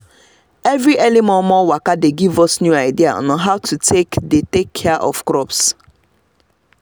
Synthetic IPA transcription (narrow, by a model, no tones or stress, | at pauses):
ɛvɾiʔɛlimɔ̃mɔwakadeɡivɔsnjuaɪdia̰nɔɦaʊtutʰekdetekʰːɛaʔɔ̰fkɹɔps